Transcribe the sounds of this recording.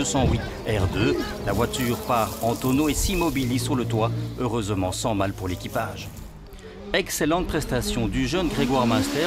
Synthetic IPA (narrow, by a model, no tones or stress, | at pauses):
øsɑ̃wi | ɛʁd̪ø | lavwat̪yʁpaʁɑ̃t̪ɔnoesimɔbilizsuʁlət̪waøʁøzmɑ̃sɑ̃malpuʁlekʲipaʒ | ɛkselɑ̃t̪̚pχɛst̪asjɔ̃d̪yʒənɡʁeɡwaʁmast̪ɛ